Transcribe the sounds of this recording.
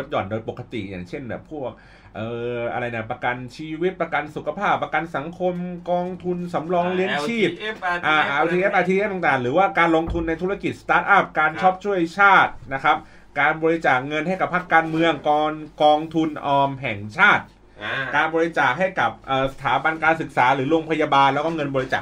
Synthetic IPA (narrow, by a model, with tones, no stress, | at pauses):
o˦˥t̪̚jɔ̰ː˨˩ndoː˧jpo˨˩ka˧t̪ḭ˨˩ja̰ː˨˩ŋt͡ɕʰe˥˩nbɛ̰ː˨˩pʰu˥˩ək̚ | ʔɤː˨˧ʔa̰˧ɾa˧jna˧˥˩pɾa˧ka˧nt͡ɕʰiː˧wi˦˥t̪̚pɾa˧ka˧nsu˨˩kʰa˧pʰaː˥˩pːɾa˧ka˧nsa˩˦ŋkʰo˧mkɔː˧ŋt̪ʰu˧nsa˩˦mɾɔː˧ŋli˦˥ənt͡ɕʰiː˥˩p̚ʔaː˧˩ʔt̪ʰiː˧ʔe˦˥ʔa˧t̪ʰiː˧ʔe˦˥t̪a˨˩ŋt̪aː˨˩ŋɾɯː˩˦waː˥˩kaː˧nlo˧ŋt̪ʰu˧nːa˧jt̪ʰu˦˥ɾa˧ki˨˩sḁ˧t̪aː˦˥t̪̚ʔa˥˩p̚kaː˧nt͡ɕʰɔ˦˥p̚t͡ɕʰu˥˩əjt͡ɕʰaː˥˩t̪̚na˦˥kʰɾa˦˥p̚ | kaː˧nbɔː˧ɾi˧˥t͡ɕaː˨˩k̚ŋɤ˧nha˥˩jka˨˩pʰːa˦˥kːaː˧nmɯ˧əŋkɔː˧nkɔː˧ŋt̪ʰu˧nʔɔː˧mɦɛ˨˩ŋt͡ɕʰaː˥˩t̪̚ | kaː˧nbɔː˧ɾi˧˥t͡ɕaː˨˩k̚ɦa˥˩jka˨˩p̚ʔɤː˨˩sa˧t̪ʰaː˩˦ba˧nkaː˧nsɯ˨˩k̚saː˩˦ɾɯː˩˦ɾoː˧ŋpʰa˧jaː˧baː˧nlɛ˦˥wkɔː˥˩ŋɤ˧nbɔː˧ɾi˧˦t͡ɕa̰ː˨˩k